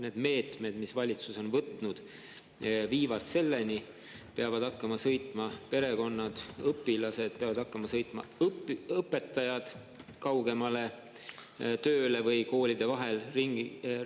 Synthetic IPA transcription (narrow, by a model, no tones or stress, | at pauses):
ne̞ːd̪me̞ːt̪me̞d̪̥misvɑlʲit̪suso̞nvɤt̪nud̪̥ | viːvɑt̪se̞lːeni | peɑvɑd̪̥ɑkːɑmɑsɤ̞jt̪ˑmɑpe̞ɾe̞ɡo̞nːɑd̪̥ɤpːˑilɑse̞d̪̥̚peɑvɑd̪ɑkːɑmɑsɤjt̪ˑmɑ̰ | ɤpːˑe̞t̪ːˑɑjɑd̪̥ | kɑwɡe̞mɑle̞ | t̪øːle̞vɤjko̞ːlʲid̪̥e̞vɑɦe̞lriŋɡ